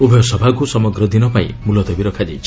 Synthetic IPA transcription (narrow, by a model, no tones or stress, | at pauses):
ubʱjɔsʌbʱakusʌmɔɡɾʌd̪inʌpaḭ̃mulʌt̪ɔbiɾɔkʰad͡ʒḛt͡ʃʰ